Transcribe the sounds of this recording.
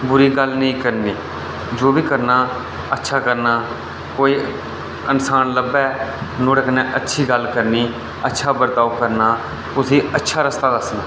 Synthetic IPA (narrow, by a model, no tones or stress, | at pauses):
bʊɾiːɡəlnəĩːkəɾniː | d͡ʒoːbiːkəɾnaː | ətːʃʰaːkəɾnaː | koːiː | ənsaːnləbɛːnoːɽəknɛ̃ːʔətːʃʰiːɡəlkəɾniː | ətːʃʰaːbəɾt̪aːukəɾnaː | kʊsĩːətːʃʰaːɾəst̪aːd̪əsnaː